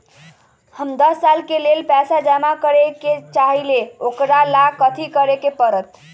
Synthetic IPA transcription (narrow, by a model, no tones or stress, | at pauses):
həmd̪əsːalkelelpasad͡ʒamakəɾeket͡ʃaɦileokɾalakət̪ʰikəɾekepəɾət̪